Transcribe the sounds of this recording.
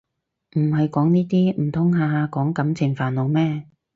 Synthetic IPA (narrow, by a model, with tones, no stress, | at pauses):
m̩˨˩ɦɐ˨jkɔː˨˥ŋniː˥t̪iː˥m̩˨˩t̪ʰʊ˨˥ŋɦaː˧kɔː˨˥ŋkɐ˨˥mt͡sʰɪ˨˩ŋfaː˨nlo˨˧wmɛː˥